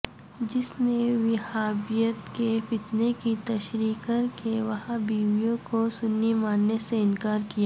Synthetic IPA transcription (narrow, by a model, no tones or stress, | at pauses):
d͡ʒɪsneʋɪhaːbijət̪kefɪt̪nekit̪ɐʃɾiːkəɾkeʋɐhãbiːʋijõkosʊnːimaːnːeseɪnkaːɾkijaː